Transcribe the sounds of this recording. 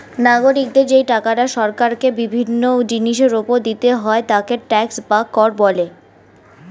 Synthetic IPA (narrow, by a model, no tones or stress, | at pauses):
naɡoɾik̚d̪eɾd͡ʑejʈakaɾaʃɔɾkaɾkebibʱinːod͡ʑiniʃ̬eɾopod̪it̪eɦɔet̪akeɾʈɛksbakːɔɾbɔle